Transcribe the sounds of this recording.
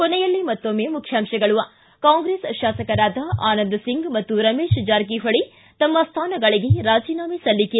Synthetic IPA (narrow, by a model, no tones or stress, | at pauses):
konɛjɐlːimɐt̪ːomːemukʰjaːmʃɐɡɐɭuʋɐ | kaːŋɡɾeːsʃaːsɐkɐɾaːd̪ʱɐaːnɐnd̪ɐsiŋɡmɐt̪ːuɾɐmeːʃd͡ʒaːɾk̬iɦɐɭi | t̪ɐmːɐst̪ʰaːnɐɡɐɭiɡeɾaːd͡ʒiːnaːmisɐlːike